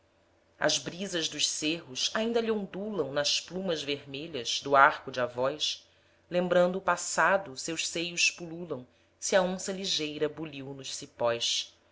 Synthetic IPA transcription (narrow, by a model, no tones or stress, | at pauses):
ɐ̰zbɾizɐzd̪ʊʃseɦʊsaĩnd̪ɐliõnd̪ulɐ̃w̃nɐsplũmɐzveɾmeʎɐz̥d̪ʊaɾkʊd͡ʒɪavɔjs | lẽmbɾɐ̃nd̪ʊːpasad̪ʊsewʃsejʊspululɐ̃w̃ | siɐõsɐliʒejɾɐbuliwnʊʃsipɔjʃ